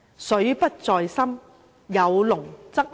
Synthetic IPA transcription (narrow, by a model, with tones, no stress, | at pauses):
sɵ˨˥ɥpɐ˥t̚t͡sɔː˧jsɐ˥m | jɐ˨˧wlʊ˨˩ŋt͡sɐ˥k̚